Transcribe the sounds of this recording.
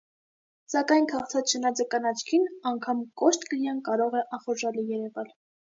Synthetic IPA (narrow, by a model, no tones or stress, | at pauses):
sɑkɑjnkʰɑχt͡sʰɑt͡sʃənɑd͡zɑkɑnɑt͡ʃʰkʰinɑŋkʰɑmkɔʃt̪kəlijɑnkɑɾɔʁɛʔɑχɔɾʒɑlijɛɾɛvɑl